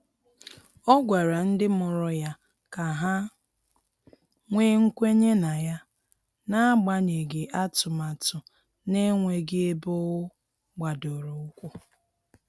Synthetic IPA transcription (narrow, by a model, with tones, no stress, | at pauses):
ɔ˦ɡʷa˨ɾa˨n̩˦dɪ˦mʊ˨ɾʊ˨ja˦ | ka˨ɦa˦ | ŋʷeː˦ŋ̩˦kʷe˦ɲe˦na˨ja˦ | na˦a˦ɡ͡ba˦ɲe˨ɡe˨ʔa˦tʊ˨ma˨tʊ˨ | ne˦ŋʷe˨ɡe˦e˦bo˦wʊ˦ | ɡ͡ba˨do˨ɾo˨ʊ˦kʷʊ˦